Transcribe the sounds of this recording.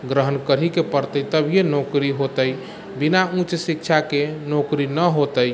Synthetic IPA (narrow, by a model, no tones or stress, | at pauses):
ɡɾəɦənkəɾɦikepəɾt̪əjt̪əbʱijenokɾiɦot̪əj | binaũt͡ʃsikt͡ʃʰakenokɾinəɦot̪əj